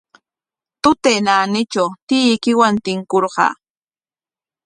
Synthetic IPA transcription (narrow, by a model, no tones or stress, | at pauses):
t̪ʊt̪enaːnɪt͡ʃawt̪ɪjkɪwant̪ɪŋkoɾɢɑ̰ː